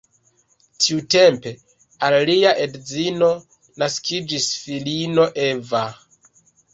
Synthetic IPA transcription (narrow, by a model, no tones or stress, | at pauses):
tʰiute̞mpe̞ | alliaʔe̞dd͡zino̞ | naskʰid͡ʒisfilino̞ʔeva